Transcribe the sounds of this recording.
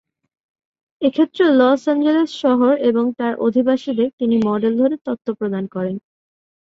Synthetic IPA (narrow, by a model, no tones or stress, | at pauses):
ekʰet̪ːɾelɔsand͡ʑelesʃɔɦoɾeboŋt̪aɾʔo̰d̪ʱibaʃid̪eɾt̪inimɔɖeld̪ʱoɾet̪ot̪ʰːopɾod̪ankɔɾen